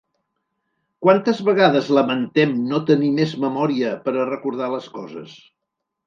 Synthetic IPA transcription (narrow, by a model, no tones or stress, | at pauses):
kwant̪əzβəɣaðəzləmənt̪ɛmnot̪ənimezməmɔɾiəpəɾərəkuɾð̞aləskɔzə̰s